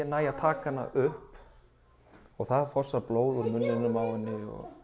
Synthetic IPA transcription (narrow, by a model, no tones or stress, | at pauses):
ɛnaːjat̪ʰaːkana̰ʔʏhp | ɔɣθaðfɔsːaploːwðʏɾmʏnːɪnʏmaːwanːɪɔ̰